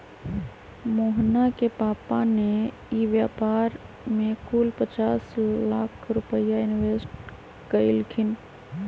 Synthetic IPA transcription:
moɦnakepapane | iʋjapaɾ | mekulpət͡ʃaslakʰɾupəjainʋesʈ | kəɪlkʰin

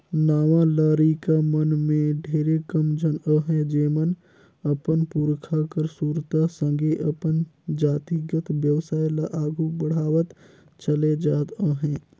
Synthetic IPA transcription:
naːʋalaːɾikamənmẽɖʱeːɾekəmd͡ʒʱənə̃ːɦɛ̃d͡ʒeːmən | əpənpuɾkʰakəɾsuːɾt̪asə̃ŋɡeʔəpənd͡ʒaːt̪iɡət̪ʋjəʋsaːjlaʔaːɡʱubəɽ̤aːʋət̪ | t͡ʃəled͡ʒaːt̪ə̃ːɦɛ̃ː

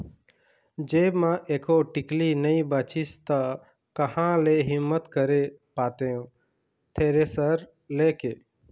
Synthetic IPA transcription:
d͡ʒeːmãːʔeːkoːʈɪkliːnəĩbaːt͡ʃɪst̪a | kəhãːleːɦɪmːət̪kəɾe | paːt̪eːũː | t̪ʰeːɾeːsəɾ | leːkeː

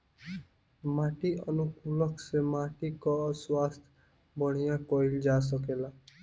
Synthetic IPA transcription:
maʈiʌnukulʌksemaʈikɔswast̪ʰ | bʌɽ̃ijakɔild͡ʒas̬ʌkela

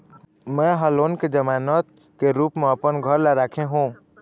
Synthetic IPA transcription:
mɛ̃ɦəloːnked͡ʒəmaːnət̪̚ | keɾuːpmẽəpənɡʱəɾlaɾaːkʰẽɦũː

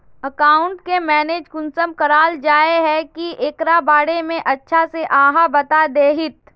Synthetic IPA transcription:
əkaːʊ̃ɳʈkemɛːneːd͡ʒkʊnsəmkɐɾaːld͡ʒaːeɦɛkiʔeːkɾabaːɽemẽʔɐtːʃʰaseʔãːɦabɐt̪ad̪eːɦɪt̪

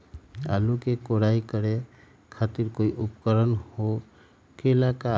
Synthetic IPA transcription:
alukekoɾaikəɾe | kʰat̪iɾkoiʔupkəɾənho | kelaka

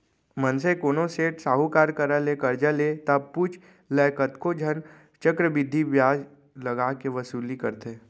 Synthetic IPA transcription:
mənsekoːnoseːʈsaːɦukaːɾkəɾəlekəɾd͡ʒəlet̪ɐb̚put͡ʃʰ | lɛːkət̪kod͡ʒʱən | t͡ʃəkɾəbɪd̪ʱːiʋjaːd͡ʒ | lɐɡakeʋəsuːlikəɾt̪eː

